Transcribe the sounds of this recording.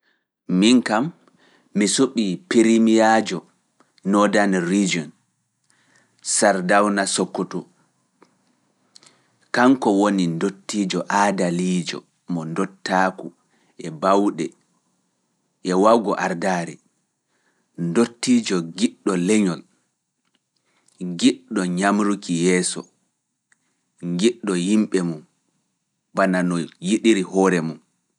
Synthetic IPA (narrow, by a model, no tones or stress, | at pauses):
miŋkamː | isuɓipiɾimijad͡ʒɔ | nɔdanrid͡ʒiɔn | saɾdawnasɔkːɔtɔ | kaŋkɔwonindotːid͡ʒɔʔadaliːd͡ʒɔ̰ | mɔndɔtːaːku | ɛbawɗɛ | ʔɛwawɡɔʔaɾdaːɾɛ | ndotːiːd͡ʒɔɡiɗːɔlɛɲɔl | ŋɡiɗɔɲamɾukijɛːsɔ̰ | ŋɡiɗːɔhimɓɛmum | bananɔjiɗiɾihɔːɾɛmum